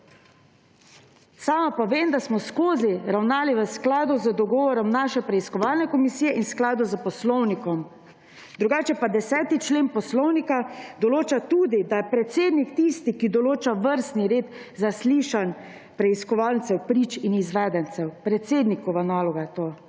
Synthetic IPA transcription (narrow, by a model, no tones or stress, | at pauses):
saːmapɔʋeːmd̪asmɔskoːziɾawnaːliʋəsklaːd̪uzəd̪ɔɡɔːʋɔɾɔmnaːʃɛpɾɛiskɔʋalnɛkɔmisijɛʔinsklaːd̪uzəpɔslɔwnikɔm | d̪ɾuɡaːt͡ʃɛpad̪ɛsɛːt̪it͡ʃleːnpɔslɔwnikad̪ɔloːt͡ʃat̪ud̪id̪ajɛpɾɛt̪seːd̪nikt̪ist̪ikid̪ɔloːt͡ʃaʋəɾst̪niɾeːd̪ | zasliːʃan | pɾɛiskɔʋalnt̪sɛwpɾiːt͡ʃinizʋɛːd̪ɛnt̪sɛwpɾɛt̪seːd̪nikɔʋanaːlɔɡajt̪oː